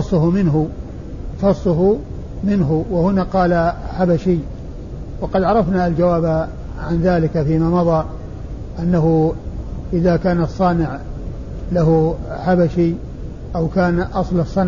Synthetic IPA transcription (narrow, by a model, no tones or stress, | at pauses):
ɑsˤːʊɦʊmɪnɦʊ | fɑsˤːʊɦʊ | mɪnɦʊwɪhʊnaqɑːlaħabaʃij | wɑqɑd̪ʕɑɾˤɑfnaald͡ʒawaːb | ʕanðaːlɪkafiːmaːmɑðˤɑː | ʔanːaɦʊ | ʔɪðakaːnɑsˤːɑːnɪʕ | laɦʊħabaʃi | ʔawkaːnʔɑsˤlɑsˤːɑn